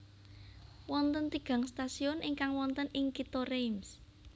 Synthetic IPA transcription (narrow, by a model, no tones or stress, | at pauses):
wɔnt̪ənt̪iɡ̥ä̤ŋst̪asiɔniŋkaŋwɔnt̪ənɪŋkit̪ɔrems